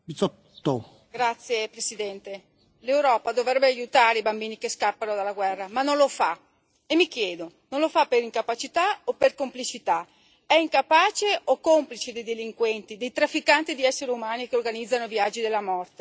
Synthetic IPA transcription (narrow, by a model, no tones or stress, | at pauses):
bit̪sɔt̪ːo | ɡɾat̪sːjepɾesid̪ɛnt̪e | lewɾɔːpad̪ovɾɛbːeajut̪aːɾeibambiːnikeskapːanod̪alaɡwɛrːamanːonlofa | emːikjɛːd̪o | nõnlofapːeɾiŋkapat͡ʃit̪aoperkomplit͡ʃit̪a | ɛiŋkapaːt͡ʃeʔokːomplit͡ʃed̪ejd̪eliŋkwɛnt̪id̪ejt̪ɾafːikant̪id̪iɛsːeɾeumaːnikeorɡanid̪zːanoivjad͡ʒːid̪elːamɔrt̪e